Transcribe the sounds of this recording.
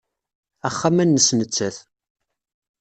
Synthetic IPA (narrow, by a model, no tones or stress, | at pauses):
æχːamænːəsnət͡sːəθ